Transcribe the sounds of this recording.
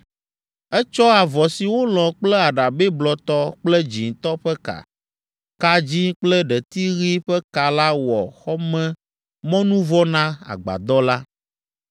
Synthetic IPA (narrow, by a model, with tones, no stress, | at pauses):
ɛ˦t͡ʃɔ˦a˨vɔ˨si˨wo˦l̃ɔ̃˨k͡plɛ˦a˨ɖa˨be˦blɔ˨t̪ɔ˦k͡plɛ˦d͡ʑi˨ŋ˨t̪ɔ˦ɸɛ˦ka̰˨ | ka˦d͡ʑi˦k͡plɛ˦ɖɛ˨t̪i˦ɣi˦ɸɛ˦ka˨la˦wɔ̰˨xɔ˦mɛ̃˦ | mɔ̃˦nũ˦vɔ˦nã˦a̰˨ɡ͡ba̰˨d̪ɔ˦la˦